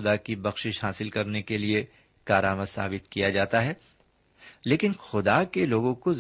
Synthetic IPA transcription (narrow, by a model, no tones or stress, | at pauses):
ʊd̪akibɐxʃɪʃɦaːsɪlkɐɾnekelie | kaːɾaːmət̪sa̰ːbɪt̪kijad͡ʒaːt̪aɦɛː | leːkɪnxʊd̪akeloːɡõko